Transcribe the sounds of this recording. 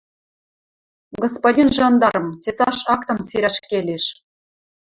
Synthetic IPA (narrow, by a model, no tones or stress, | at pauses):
ɡospodʲinʒɑnd̪ɑɾɤ̆mtʲet͡sɑʃɑkt̪ɤ̆mseɾʲæʃkʲelʲeʃ